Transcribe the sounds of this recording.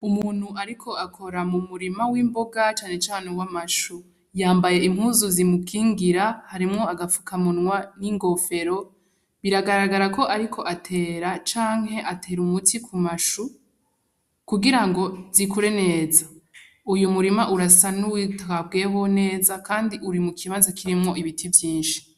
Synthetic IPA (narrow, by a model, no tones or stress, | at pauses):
umuːn̥huʔaɾikʰo̞akʰo̞ɾamumuɾimawiːmbo̞ɡat͡ʃaːne̞t͡ʃaːnewamaʃu | jaːmbaje̞im̥huːzuzimukʰiːŋɡiɾahaɾimŋo̞aɡafu̥kʰamunwaniːŋɡo̞fe̞ɾo̞ | βiɾaɡaɾaɡaɾako̞ʔaɾikʰo̞ʔatʰe̞ːɾat͡ʃaːŋhɦe̞ʔatʰe̞ːɾumutʰikʰumaʃu | kuɡiɾaŋɡo̞zikuɾe̞ne̞ːza | ujumuɾimaʔuɾasanuwitakab̚ɡeːwone̞ːzakaːndiʔuɾimukʰiβanzakiɾimŋo̞ʔiβitʰivjiːnʃi̥